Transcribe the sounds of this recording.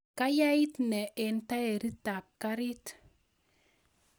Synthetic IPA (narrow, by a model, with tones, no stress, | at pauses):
ka˦ja˦i˦tnɛ˨ʔe˨nta˦e˨ɾi˦ta˨kkːa˦ɾi˦t